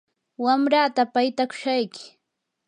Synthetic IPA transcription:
wamɾat̪apajt̪akʊ̥ʃajkɪ̥

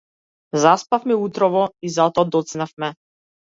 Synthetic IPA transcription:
zaspafmɛut̪ɾɔvɔizat̪ɔad̪ɔt̪snafmɛ

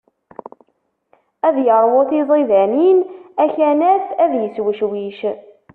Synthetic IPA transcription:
æðjəɾˤwoθiðˤiðæninæçænæθæðjəswəʃwiʃ

